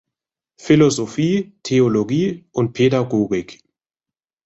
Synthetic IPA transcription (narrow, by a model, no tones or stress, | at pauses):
fɪlozofiːtʰeoloɡiːʔʊnt̚pʰedaɡoːɡɪk